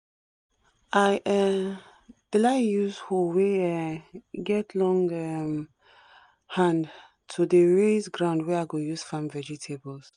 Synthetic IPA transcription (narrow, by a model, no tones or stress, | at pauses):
aɪʔɛ | d̥ilaɪjuzholweɛɡɛtʰlɔ̃ŋɛm | hãnd | tʰudəɹesɡɹãʊ̃ndwɛaɪɡojuz̥fãmvɛd͡ʒitʰebɔls